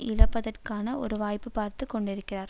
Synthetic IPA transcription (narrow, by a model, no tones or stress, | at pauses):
ʔɪlɐpːɐðɐrkaːnɐʔɔ̰ɾɯʋaːjpːɯpaːɾt̪ɯkːɔɳɖɪɾɯkːɪraːɾ